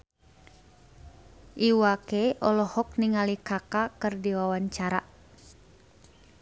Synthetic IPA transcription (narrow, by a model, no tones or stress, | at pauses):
ʔiwakeʔɔlɔhɔk̚niŋalikakakɨrdiwawaɲt͡ʃaɾa